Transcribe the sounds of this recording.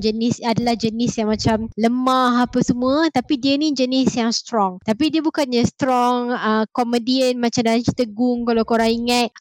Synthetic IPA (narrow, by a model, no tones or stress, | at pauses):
d͡ʒənisadalahd͡ʒənisjaŋmat͡ʃamləmaɦapəsəmuət̪apidiənid͡ʒənisjaŋst̪ɾɔŋt̪apidiəbukanɲast̪ɾɔŋəkomədiənmat͡ʃamdalat͡ʃit̪əɡuŋkalawkoɾaŋiŋət̪̚